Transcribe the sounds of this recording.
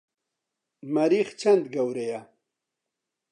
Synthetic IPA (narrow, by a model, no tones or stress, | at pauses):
mɐɾixt͡ɕʰɐnd̪ɡawɾeja